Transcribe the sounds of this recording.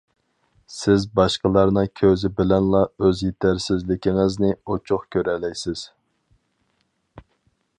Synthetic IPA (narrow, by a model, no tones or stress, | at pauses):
sɪzbɑʃqəlˠɑɾnɨŋkʲʰøzɪbɪlɛnlˠɑøzjet̪ʰæɾsɪzlɪkʲɪŋɪznɪot͡ʃʰuχkʲʰøɾɛlɛjsɪz̥